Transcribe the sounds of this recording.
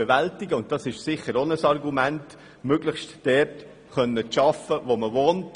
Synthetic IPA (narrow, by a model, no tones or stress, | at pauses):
ɛʋæltɪɡəʊntd̥ɑsɪʃsɪχəɾonəsɑrɡumænt | møɡləχʃtd̥ɛrt | χœnːət͡sʃɑfəʋoməʋoːnt